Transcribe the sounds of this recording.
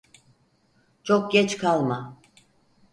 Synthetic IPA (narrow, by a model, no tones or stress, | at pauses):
t͡ʃʰok̚ɟɛt͡ʃkʰalˠma